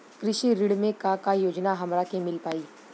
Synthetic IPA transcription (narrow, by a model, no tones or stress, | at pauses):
kɾɪʃiɾɪɽmẽkakajoːd͡ʒnaɦɐmɾakemɪlpaːiː